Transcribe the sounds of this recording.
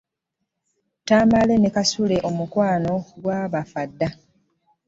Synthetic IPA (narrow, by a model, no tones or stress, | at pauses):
taːmale̞nekasule̞ʔo̞mukwaːno̞ɡwaːβafadːa